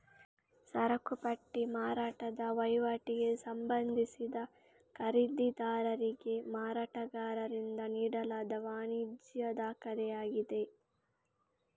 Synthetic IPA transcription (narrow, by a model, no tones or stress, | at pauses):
sɐɾɐkupɐʈːimaːɾaːʈɐd̪ɐʋɐjʋɐʈiɡe̞sɐmbɐnd̪isid̪ɐ | kɐɾid̪id̪aːɾɐɾiɡe̞maːɾaːʈɐɡaːɾɐɾind̪ɐniːɽɐlaːd̪ɐʋaːnidjɐd̪aːkɐɾɛjaːɡid̪e̞